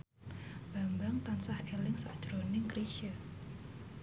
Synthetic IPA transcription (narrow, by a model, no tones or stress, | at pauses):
b̥a̤mbaŋt̪ansahelɪŋsɔ̰d̥ʒ̥ɾonɪŋkɾiʃə